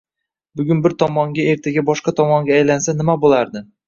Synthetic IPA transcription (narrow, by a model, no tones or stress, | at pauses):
bʊɡʲʊnbɪɾt̪ʰɒmɒŋɡʲae̞ɾt̪ʰaɡʲabɒʃqɑt̪ʰɒmɒŋɡʲaːjlansanɪmabolˠaɾd̪ɪ